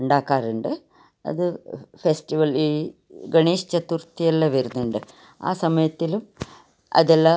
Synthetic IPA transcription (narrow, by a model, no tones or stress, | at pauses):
uɳɖaːkːaːruɳɖɨ | ɐ̰ðɨfesʈiʋɐliː | ɡɐɳiːʂt͡ɕɐt̪ːurt̪ːijɐlːɐʋeɾunːuɳɖɨ | a̰ːsɐmɐjɐt̪ːilum | ɐ̰ðelːɐ